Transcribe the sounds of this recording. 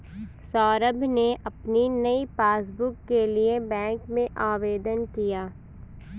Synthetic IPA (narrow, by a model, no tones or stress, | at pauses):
sɔːɾəbʱneʔɐpninɐipaːs̬bʊkːeliebɛ̃ːŋkmẽʔaːʋeːd̪ənkijaː